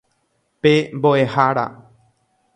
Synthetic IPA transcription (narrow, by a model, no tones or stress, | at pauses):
pemboʔe̞haɾa̰